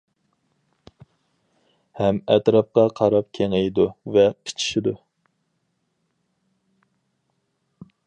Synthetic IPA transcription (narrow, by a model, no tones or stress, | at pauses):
hɛmɛt̪ɾɑp̚qɑqʰɑɾɑp̚kʲʰeŋejd̪uvɛqʰe̥t͡ʃʰi̥ʃid̪u